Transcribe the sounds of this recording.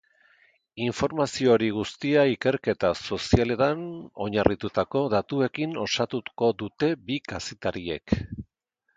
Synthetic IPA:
iɱfo̞ɾmasio̞ɾiɣust̪iaike̞ɾke̞t̪aso̞siale̞t̪ano̞̰ɲarʔit̪ut̪ako̞ðat̪ue̞kino̞sat̪uko̞d̪ut̪e̞bikase̞t̪aɾie̞̰k

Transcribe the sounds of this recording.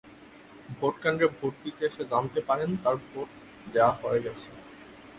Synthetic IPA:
bʱoʈkaɳɖɾebʱoʈ̚d̪it̪eeʃed͡ʑant̪epaɾent̪aɾbʱoʈ̚ | d̪eaɦoeɡɛt͡ɕʰe̥

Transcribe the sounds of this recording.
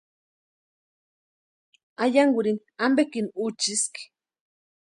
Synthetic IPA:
ajaŋɡuɾin | ambekinut͡ʃiski̥

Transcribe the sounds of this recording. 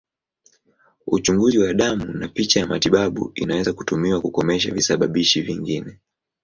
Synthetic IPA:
ut͡ʃuŋɡuziwaɗamunapit͡ʃajamatiɓaɓṵinawɛzaku̥tumiwakukɔmɛʃ̬avisaɓaɓiʃiviŋɡinɛ

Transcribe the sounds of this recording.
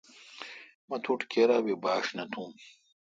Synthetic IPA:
mɐt̪ʰuʈkeɾaːbibaːʂnɐt̪ʰũːm

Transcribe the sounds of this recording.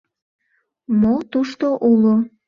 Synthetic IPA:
mot̪uʃt̪oʔulo

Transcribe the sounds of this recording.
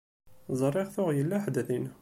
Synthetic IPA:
zˤrˤːɪʁθʊʁjəlːæħd̪əθin

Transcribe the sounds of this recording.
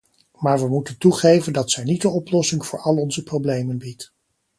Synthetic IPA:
maːɹʋəmutəntuχejvəndɑtsɛjnitənɔplɔsɪŋv̥ʊːɹɑlˠɔnzəprowblejmənbit

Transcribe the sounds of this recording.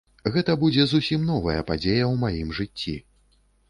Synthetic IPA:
ɣɛt̪ɐbud͡zʲɛzusʲimn̪ɔvɐjɐ̰pad͡zʲejɐwmajimʐɨt͡sʲːḭ

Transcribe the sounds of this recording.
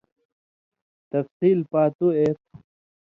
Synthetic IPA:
t̪ɐfsiːlpaːt̪uet̪̚

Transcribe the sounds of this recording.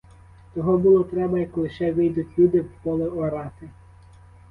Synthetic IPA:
t̪ɔɦɔbulˠɔt̪ɾɛbɐjɐkɔlˠɪʃɛʋɪjd̪ʊtʲlʲud̪ɪwpɔlˠɪɔɾɑt̪ɪ

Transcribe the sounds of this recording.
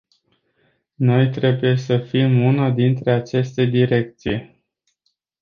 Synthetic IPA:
no̞jt̪ɾe̞buje̞səfimunad̪int̪ɾe̞at͡ʃe̞st̪e̞d̪iɾe̞k̚t̪sije

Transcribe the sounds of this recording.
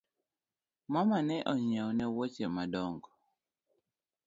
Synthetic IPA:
mamanɛʔɔɲɛwɔnɛwot͡ʃɛmadɔŋɡɔ

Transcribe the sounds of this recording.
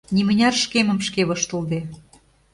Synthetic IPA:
nimə̆nʲɑrʃkemə̆mʃkeβɤ̆ʃt̪ə̆ld̪e

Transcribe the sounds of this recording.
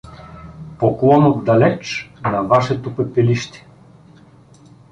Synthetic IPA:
poklˠɔnot̪d̪ɐlɛt͡ʃnɐvaʃɛt̪opɛpɛliʃt̪ɛ̥

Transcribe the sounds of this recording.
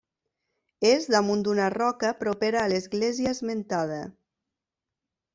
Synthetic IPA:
ezðamund̪unarɔkəpɾopeɾaːlezɣleziəezment̪að̞ə

